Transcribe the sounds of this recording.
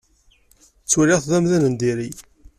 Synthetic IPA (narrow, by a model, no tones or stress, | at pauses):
t͡sːuɾiʁθðæmðænənd̪iɾi